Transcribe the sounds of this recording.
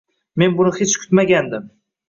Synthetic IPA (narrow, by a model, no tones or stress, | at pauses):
me̞nbʊnɪhet͡ʃkʰʊ̥t̪maɡʲand̪ɪm